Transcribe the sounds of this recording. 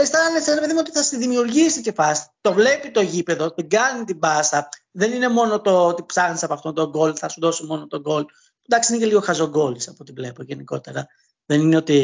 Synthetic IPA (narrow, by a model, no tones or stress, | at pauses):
estɐɐnesenɾepeðimeot̪iθɐsiðimiuɾʝisice̞fɐsi̥t̪o̞vle̞pit̪o̞ʝipe̞ðo̞t̪iɡɐnit̪ibɐsɐ | ðe̞nine̞mo̞not̪o̞t̪ipsɐxnisɐpoɐft̪ont̪oɡo̞lθɐsuðo̞somo̞no̞t̪o̞ɡo̞l | pund̪ɐksiineçeliɣo̞xɐzo̞ɡo̞lisɐpot̪ivle̞poʝe̞niko̞̰t̪e̞ɾɐ | ðe̞nineot̪i